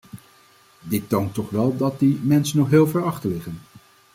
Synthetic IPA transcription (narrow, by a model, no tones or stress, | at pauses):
dɪtːowntɔχʋɛlˠdɑt̚dimɛnsənɔχɦeːlˠvɛɹɑχtəlɪχən